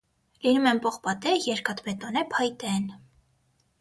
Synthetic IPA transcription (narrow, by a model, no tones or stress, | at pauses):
linumɛmpɔχpɑt̪ɛjɛɾkɑt̪bɛt̪ɔnɛpʰɑjt̪ɛn